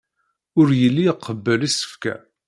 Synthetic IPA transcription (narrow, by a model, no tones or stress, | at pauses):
ʊɾjəlːiqʰːəbːəlisə̥fkæ̰